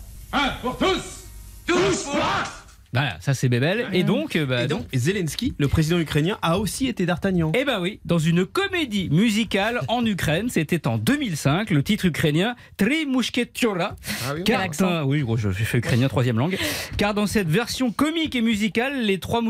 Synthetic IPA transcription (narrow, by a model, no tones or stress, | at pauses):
puʁt̪us | vala̰sasɛbɛbɛled̪ɔ̃kbad̪ɔ̃kzelɛnskʲiləpχezid̪ɑ̃ykχenjɛ̃ʔaosiet̪ed̪aʁt̪anjɑ̃ebɛ̃wid̪ɑ̃zynkɔmed̪imyzikalɑ̃nykχɛnset̪ɛt̪ɑ̃d̪əmilsɛ̃klət̪it̪χykχenjɛ̃ | t̪ʁimuʃkʲet̪oɾakaʁ̃wiʒoʒəʒefɛykχenjɛ̃t̪χwazjɛmlɑ̃ɡkaʁd̪ɑ̃sɛt̪vɛʁsjɔ̃kɔmikemyzikalːet̪χwam